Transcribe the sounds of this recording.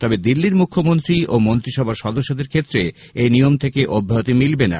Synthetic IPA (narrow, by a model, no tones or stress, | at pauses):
t̪ɔbed̪ilːiɾmukʰːomont̪ɾiomont̪ɾiʃɔbʱaʃɔd̪oʃːod̪eɾkʰet̪ːɾe | ejnijomt̪ʰekeʔobʱːaot̪imilbena̰